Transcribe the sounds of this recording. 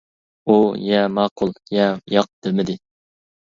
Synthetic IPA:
ujɛmɑːqʰʊlˠjɛjɑq̚d̪̥ɪmɪd̪ɪ

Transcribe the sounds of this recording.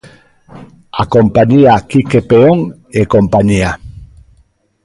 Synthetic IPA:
akompaɲiakikepeoŋ | ekompaɲia

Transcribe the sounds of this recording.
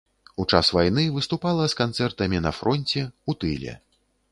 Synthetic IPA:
ut͡ʂasvajnɨvɨst̪upalˠɐskant̪sɛrt̪ɐmʲinɐ̰fɾɔnʲt͡sʲɛut̪ɨlʲɛ̰

